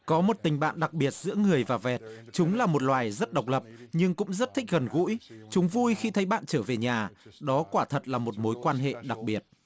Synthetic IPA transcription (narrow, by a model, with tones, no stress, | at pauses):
kɔ˨˦mo˨˩t̚t̪ï˨˩ŋ̟ɓa̰ː˧˨nɗa˨˩k̚ɓi˨˩ət̚z̥ɨ̰˧˥əŋɨ˨˩əjvaː˨˩vɛ˨˩t̚t͡ɕʊ˨˦ŋ͡mlaː˨˩mo˨˩t̚lwaː˨˩jzə˦˥t̚ɗə˨˩wk͡p̚lə˨˩p̚ɲɨ˧ŋkʊ̰˧˥ŋ͡mzə˦˥t̚t̪ʰï˦˥k̟̚ɣə˨˩nɣṵ˧˥jt͡ɕʊ˨˦ŋ͡mvu˧jxi˧t̪ʰə˨˦jɓa̰ː˧˨nt͡ɕəː˧˩ve˨˩ɲaː˨˩ɗɔ˨˦kwaː˧˩t̪ʰə˨˩t̚laː˨˩mo˨˩t̚mo˨˦jkwaː˧nɦḛ˧˨ɗa˨˩k̚ɓi˨˩ət̚